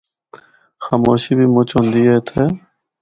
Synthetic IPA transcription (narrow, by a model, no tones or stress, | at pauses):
xaːmoːɕibiːmʊt͡ɕond̪iet̪ʰe